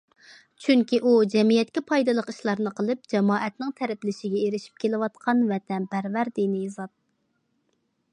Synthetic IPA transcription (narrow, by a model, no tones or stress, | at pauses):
t͡ʃʰyŋkʲiʔud͡ʒɛmijɛt̪̚kʲɛpʰɑjd̪ɨlˠəqiʃlˠɑɾnɨqʰəlˠɨp̚d͡ʒɛmɑːʔɛt̪nɪŋt̪ʰɛɾɛplɪʃiɡʲɛeɾɪʃi̥p̚kʲʰelɪwɑt̪qʰɑnvɛt̪ʰɛnpʰæɾvæɾd̪inɪːzɑt̪̚